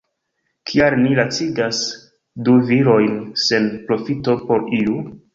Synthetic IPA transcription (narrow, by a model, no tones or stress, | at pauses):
kʰiaɾnilat͡siɡas | duviɾo̞jnse̞npɾo̞fito̞po̞ɾiu